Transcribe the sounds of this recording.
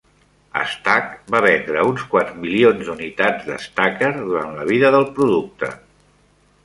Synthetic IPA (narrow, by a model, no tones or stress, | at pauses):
ə̰st̪akbaβ̞ɛnd̪ɾəunskwat̪zmilionzd̪unit̪ad͡zd̪ə̰st̪akəɾðuɾa̰nləβiðəðəlˠpɾuðuk̚t̪ə̰